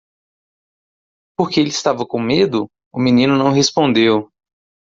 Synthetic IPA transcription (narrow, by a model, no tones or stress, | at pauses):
poɾkeelɪːst̪avɐkõmed̪ʊ | ʊminĩnʊnɐ̃w̃ɦespõnd̪ew